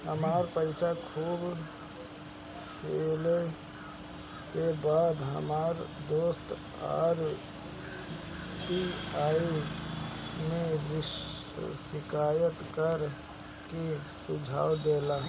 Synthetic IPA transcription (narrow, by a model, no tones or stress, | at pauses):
həmaːɾpəɪsakʰuːb | seːle | kebaːd̪ɦə̰maːɾd̪oːst̪ | a̰ːɾ | ʈiaːi | mẽʋɪʃ | sɪkaːjət̪kəɾ | ki | sʊd͡ʒʱa̰ːwd̪eːla